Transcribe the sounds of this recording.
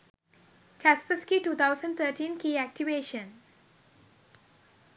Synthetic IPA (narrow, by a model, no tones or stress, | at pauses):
kʰɛspəskituːt̪ʰaʊsə̃nt̪ʰəʈʰĩnkiːɛk̚ʈiʋeʃə̃n